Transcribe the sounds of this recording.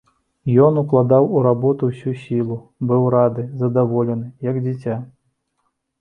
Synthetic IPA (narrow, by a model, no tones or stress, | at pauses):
jɔnuklˠad̪awuɾabɔt̪uwsʲusʲilˠubɨwɾad̪ɨzɐd̪avɔlʲɛnɨjɐɡd͡zʲit͡sʲa